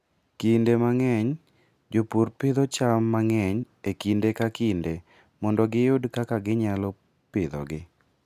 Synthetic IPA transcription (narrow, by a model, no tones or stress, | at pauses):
kindemaŋɛɲ | d͡ʒopuɾpɪd̪ɔt͡ʃamːaŋɛɲ | ekindekakinde | mɔndɔɡɪjʊdkakaɡɪɲalɔ | pɪd̪ɔ̰ɡɪ